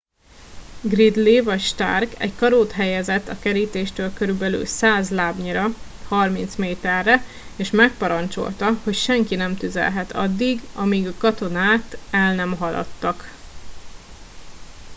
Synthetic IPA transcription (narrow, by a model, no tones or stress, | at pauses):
ɡrid̪livɒcʃt̪a̰rkɛ̰ɟkɒɾoːt̪ɦɛjɛzɛt̪ːɒkɛɾiːt̪eːʃt̪øːlkøɾybɛly̰lsaːzlaːbɲiɾɒ | hɒrmint̪smeːt̪ɛrːɛ | eːʃmɛk̚pɒɾɒnt͡ʃo̞̰lt̪ɒho̞cʃɛŋkinɛmt̪yzɛ̰lɦɛt̪ʰɒ̰d̪ːiɡɒmiɡɒkɒt̪o̞naːt̪ɛlnɛmɦɒlɒ̰t̪ːɒk